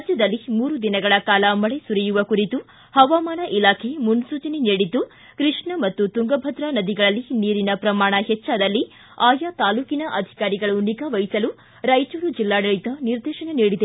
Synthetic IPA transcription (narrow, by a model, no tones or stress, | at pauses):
d͡ʒjɐd̪ɐlːimuːɾud̪inɐɡɐɭɐkaːlɐmɐɭesuɾijuʋɐkuɾit̪u | hɐʋaːmaːnɐʔilaːkʰemunsuːt͡ʃɐniniːɽit̪ːu | kɾiʂɳɐmɐt̪ːut̪uŋɡɐbʱɐd̪ɾɐnɐd̪iɡɐɭɐlːiniːɾinɐpɾɐmaːɳɐɦɛt͡ʃːaːd̪ɐlːi | aːjat̪aːluːkinɐʔɐd̪ʱi̥kaːɾiɡɐɭuniɡɐʋɐjisɐlu | ɾɐjt͡ʃuːɾud͡ʒilːaːɽɐɭit̪ɐniɾd̪ɛːʃɐneniːɽid̪e